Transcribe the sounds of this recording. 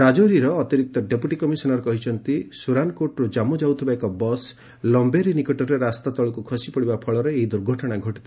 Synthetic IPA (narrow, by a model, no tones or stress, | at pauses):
ɾad͡ʒoɾiɾɔːt̪iɾik̚t̪ɔɖepuʈikɔmisɔnɔɾɔkɔɦit͡ʃʰɔnt̪isuɾankoʈɾud͡ʒamud͡ʒawt̪ʰibaekɔbɔs | lɔmbeɾinikɔʈɔɾeɾast̪at̪ɔɭɔkukʰɔsipɔɽibapʰɔɭɔɾeeɦid̪uɾɡʱɔʈɔɽ̃aɡʱɔʈi̥t̪ʰ